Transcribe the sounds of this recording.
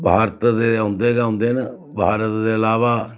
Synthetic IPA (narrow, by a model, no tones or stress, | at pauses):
bʱaːɾət̪d̪eːɦʊ̃nd̪eːɡaɦʊ̃nd̪eːnə | bʱaːɾət̪d̪eːəlaːʋaː